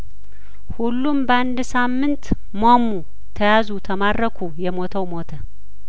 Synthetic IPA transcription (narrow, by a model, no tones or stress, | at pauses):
hulːumbəand̪samːɨnt̪ | momːu | t̪ʰəjazut̪ʰəmad̪ɾəkʰujɛmo̞t̪ʰəwmo̞t̪ʰə